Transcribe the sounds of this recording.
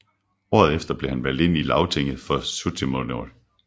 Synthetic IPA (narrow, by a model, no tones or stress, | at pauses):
ɒ̰ːð̞̩ˠefd̥ɐb̥le̝hænʋæl̰d̥e̝n̰ilɑ̈ʊt͡sʰeŋ̰ð̩ˠfɒ̽sut͡sʰemolo̰l